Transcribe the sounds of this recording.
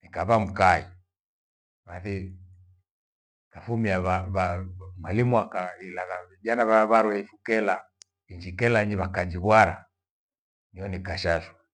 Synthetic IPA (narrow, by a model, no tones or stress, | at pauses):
nikaβam̩kai | βaθi | kafumiaβaβamalimwakailaɣavid͡ʒanaβaβaɾwɛifukɛla | iɲd͡ʒikɛlaɲiβakad͡ʒiβwaɾa̰ | niɔnikaʃaswa